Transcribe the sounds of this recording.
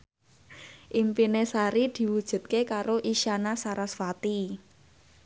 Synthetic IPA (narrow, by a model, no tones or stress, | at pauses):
ʔimpinesaɾid̪̥i̤wud̥ʒ̥ṳt̪̚kekaɾoʔiʃanasaɾasfat̪i